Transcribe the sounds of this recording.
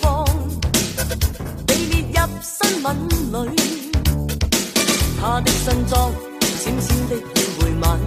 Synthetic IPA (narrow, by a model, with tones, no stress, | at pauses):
fɔː˥ŋ | ne˨˧jliː˨t̚jɐ˧p̚sɐ˥nmɐ˨˧nlɵ˨˧˥ɥ | t̪ʰaː˥t̪ɪ˥k̚sɐ˥nt͡sɔː˥ŋ˨ | siː˨˥msiː˥nt̪ɪ˥k̚jiː˨˧wuː˨˩jmaː˨˩n